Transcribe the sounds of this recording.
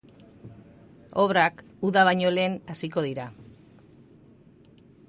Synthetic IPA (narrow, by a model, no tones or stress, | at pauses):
o̞βɾak | uðaβ̞ajɲo̞le̞ːnasiko̞ðiɾa